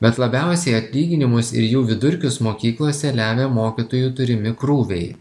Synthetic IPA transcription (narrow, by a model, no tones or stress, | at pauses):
bʲɛt̪lˠɐbʲæˑʊsʲɛɪɐt̪ʲlʲiːɡʲɪnʲɪmʊsɪ̰ɾjuːʋʲɪd̪ʊɾʲkʲʊsmoːkʲiːklˠoːsʲɛlʲæːʋʲeːmoːkʲit̪oːjuːt̪ʊɾʲɪmʲɪkɾuːʋʲɛɪ